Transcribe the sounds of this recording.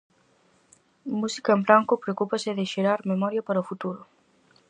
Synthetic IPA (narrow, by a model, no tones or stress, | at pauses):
musi̥kɐembɾaŋkʊpɾeokupɐsɪðɪʃeɾaɾmemɔɾjapaɾɐofut̪uɾʊ